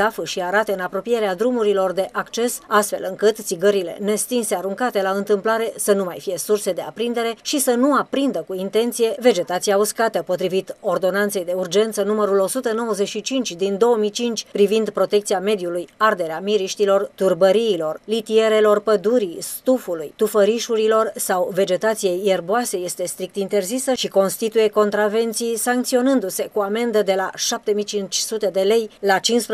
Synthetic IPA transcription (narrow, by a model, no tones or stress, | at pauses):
afɨʃiaɾat̪əɨnapɾo̞pije̞ɾead̪ɾumuɾilo̞rd̪e̞ʔakt͡ʃe̞sast̪fe̞̰lɨŋkɨt̪t̪siɡəɾile̞̰ne̞st̪inse̞aɾuŋkat̪e̞laɨnt̪ɨmplaɾe̞sənumajfije̞surse̞d̪e̞a̰pɾind̪e̞ɾe̞ʃisənuapɾind̪əkuint̪e̞nt̪sije̞ve̞d͡ʒe̞t̪at̪sijauskat̪əpo̞t̪ɾivit̪o̞rd̪o̞nant̪se̞jd̪e̞urd͡ʒe̞nt̪sənuməɾulo̞sut̪əno̞wəze̞ʃit͡ʃint͡ʃʲd̪ind̪o̞əmijt͡ʃint͡ʃʲpɾivind̪pɾo̞t̪e̞kt̪sijame̞d̪julujard̪e̞ɾeamiɾiʃt̪ilo̞rt̪urbəɾiːlo̞rlit̪ie̞ɾe̞lo̞rpəd̪uɾist̪ufulujt̪ufəɾiʃuɾilo̞rsawve̞d͡ʒe̞t̪at̪sije̞jerboase̞je̞st̪e̞st̪ɾik̚t̪int̪e̞rzisəʃiko̞nst̪it̪uje̞ko̞nt̪ɾave̞nt̪sijsaŋk̚t̪sio̞nɨnd̪use̞kuame̞nd̪əd̪e̞laʃap̚t̪e̞mijt͡ʃint͡ʃʲsut̪e̞d̪e̞le̞jlat͡ʃinsp